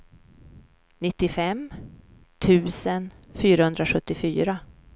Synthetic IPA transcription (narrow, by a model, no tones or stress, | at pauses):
nɪt̪ːɪfɛm | t̪ʰʉ̟ːsənfyːɾahɵnd̪ɾaɧɵt̪ːɪfyːɾa